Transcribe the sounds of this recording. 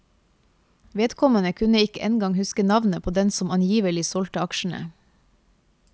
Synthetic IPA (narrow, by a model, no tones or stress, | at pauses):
ʋeːd̪kʰɔmənəkʰʉnəɪkəʔɛnɡɑŋhʉskənɑʋnəpʰoːd̪ɛnsɔmɑnjiːʋəlɪsɔlt̪əɑkʃɳ̩ə̰